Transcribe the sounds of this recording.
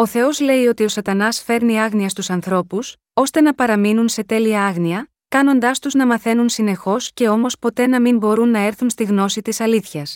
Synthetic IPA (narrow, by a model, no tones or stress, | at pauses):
o̞θe̞o̞zle̞io̞t̪io̞sɐt̪ɐnɐsfe̞ɾniɐɣniɐst̪usɐnθɾo̞pus | o̞st̪e̞nɐpɐɾɐminunse̞t̪e̞liɐɐɣniɐ | kɐno̞nd̪ɐst̪uznɐmɐθe̞nunsine̞xo̞sce̞o̞mo̞spo̞t̪e̞nɐmimbo̞ɾunːɐe̞ɾθunst̪iɣno̞sit̪isɐliθçɐs